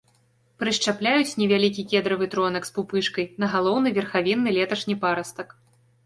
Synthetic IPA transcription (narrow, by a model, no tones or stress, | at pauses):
pɾɨʂt͡ʂaplʲajut͡sʲnʲɛvʲalʲikʲikʲɛd̪ɾɐvɨt̪ɾɔnɐkspupɨʂkɐjnɐɣalˠɔwnɨvʲɛrxavʲinːɨlʲɛt̪ɐʂnʲipaɾɐst̪ɐk